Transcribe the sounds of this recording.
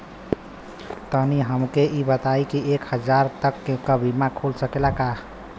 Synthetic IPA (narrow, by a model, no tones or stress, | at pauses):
t̪əɦniɦəmkeʔibət̪ajkiekhəd͡ʒaɾt̪əkːekəbʱimakʰulsəkelaka